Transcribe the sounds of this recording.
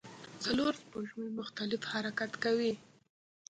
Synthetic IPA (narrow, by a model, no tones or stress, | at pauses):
t͡saloɾspoʒmemʊxt̪alɪfhaɾakat̪kawi